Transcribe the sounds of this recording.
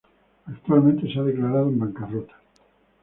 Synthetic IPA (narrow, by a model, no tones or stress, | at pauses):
akt̪ualmẽnt̪e̞seaðeklaɾaðoembaŋkarot̪ḁ